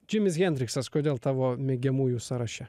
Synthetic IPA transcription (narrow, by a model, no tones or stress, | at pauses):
d͡ʒʲɪmʲɪs̬ɣʲɛnʲd̪ʲɾʲɪksɐskoːd̪ʲeːlˠt̪ɑːʋoːmʲeːɡʲɛmuːjuːsɐɾɐʃʲɛ